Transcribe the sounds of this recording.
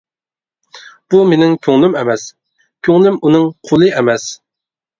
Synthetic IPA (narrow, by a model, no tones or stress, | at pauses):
b̥umenɪŋkʲʰøŋlymɛmɛs | kʲʰøŋlymunɨŋqʰolˠɨɛmɛs